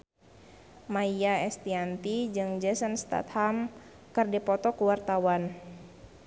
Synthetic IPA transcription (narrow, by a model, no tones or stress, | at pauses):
maiaɛst̪iant̪id͡ʒɨŋd͡ʒɛsənst̪a̰t̪ham | kɨrdipɔt̪ɔkuwart̪awan